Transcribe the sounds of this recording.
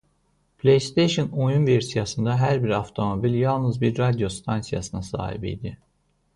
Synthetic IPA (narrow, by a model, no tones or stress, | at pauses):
pʰlʲejst̪ʰejʃono̞junveɾsijasɯnd̪aɦæɾbiɾaft̪ʰo̞mo̞bilʲjɑlˠnɯzbiɾːad̪ijo̞st̪ʰansija̰sɯnasa̰ːhḭbḭd̪i